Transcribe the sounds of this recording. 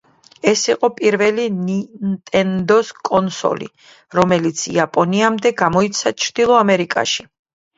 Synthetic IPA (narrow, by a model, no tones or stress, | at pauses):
ɛsiqʼɔpʼiɾvɛlinint̪ʼɛnd̪ɔskʼɔnsɔ̰lḭ | ɾɔmɛlit̪sʰḭapʼɔniamd̪ɛɡamɔit̪sʰat͡ʃʰɾd̪̥ilˠɔamɛɾikʼa̰ʃi